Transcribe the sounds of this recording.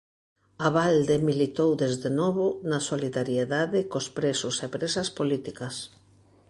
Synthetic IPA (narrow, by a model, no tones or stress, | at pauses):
aβald̪emilit̪owðezðenɔβonasoliðaɾjeðaðɪkospɾesʊsepɾesɐspolit̪ikɐs